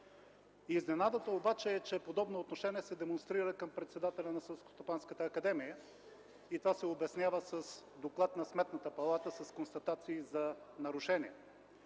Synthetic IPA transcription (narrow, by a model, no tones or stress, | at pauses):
iznɛnad̪ət̪əobat͡ʃɛːt͡ʃɛpod̪ɔbnoːt̪noʃɛniɛsɛd̪ɛmonst̪ɾiɾəkəmpɾɛt̪sɛd̪at̪ɛlʲɐnɐsɛlˠsko̥st̪opanskət̪əːkɐd̪ɛmijə | it̪ovasɛobɛsnʲjavəsəsd̪oklˠat̪nɐsmɛt̪nət̪əpɐlˠat̪əsɐskonst̪ɐt̪at̪siːzɐnɐɾʊʃɛniɛ